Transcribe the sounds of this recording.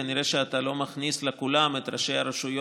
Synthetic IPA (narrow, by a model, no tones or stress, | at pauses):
aniɾeʃeat̪alo̞maχnislekulamet̪ɾaʃe̞jhaɾeʃujo